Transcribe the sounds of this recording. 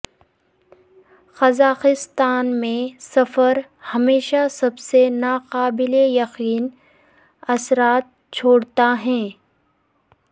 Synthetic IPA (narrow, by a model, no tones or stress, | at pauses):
xɐzaːqɪst̪aːnmẽsɐfəɾ | hɐmeːʃasɐbsenaːqaːbɪlejɐqiːn | ɐsɾaːt̪̚ | t͡ʃʰoːɽt̪aɦɛ̃ː